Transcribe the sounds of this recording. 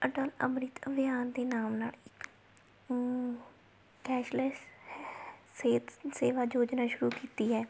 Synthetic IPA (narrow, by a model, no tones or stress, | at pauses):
əʈɔːlə̰mɾiːt̪əbɪjaːnd̪eːnaːmnaːlɪk | kɛːʃləs | seːt̪seːʋaːd͡ʒoːd͡ʒnaːʃʊɾuːkiːt̪iːɦɛː